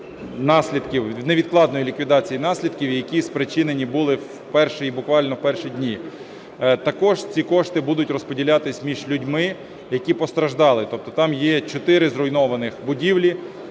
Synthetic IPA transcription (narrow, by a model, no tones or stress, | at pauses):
nɑsʲlʲid̪kʲiwneʋʲid̪̚klˠɑd̪nɔjilʲikʋʲid̪ɑt͡sʲijinɑsʲlʲid̪kʲiwjɐkʲispɾɪt͡ʃɪnenʲibulˠɪw | pɛrʃɪibʊkʋɑlʲnɔwpɛrʃidʲnʲi | t̪ɐkɔʒt͡sʲikɔʃt̪ɪbud̪ʊtʲrɔspɔdʲilʲɑt̪ɪsʲmʲiʒlʲʊdʲmɪ | jɐkʲipɔst̪ɾɐʒd̪ɑlˠɪt̪ɔp̚t̪ɔt̪ɑmjɛt͡ʃɔt̪ɪɾɪzɾɔjnɔʋɐnɪxbʊdʲiwlʲi